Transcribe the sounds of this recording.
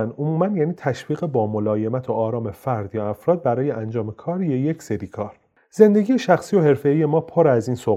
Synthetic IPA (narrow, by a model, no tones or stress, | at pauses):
nomuːmænjæːniːt̪ʰæʃviːɣebɒːmo̞lɒːje̞mæt̪ʰoɒːɾɒːmefæɾd̪jɒæfɾɒːd̪̚bæɾɒːjeʔænd͡ʒɒːme̞kʰɒːɾijejecse̞ɾiːkʰɒːɾ | ze̞nd̪e̞ɡiːjeʃæxsiːjo̞he̞ɾfe̞ije̞mɒːpʰoɾæziːnso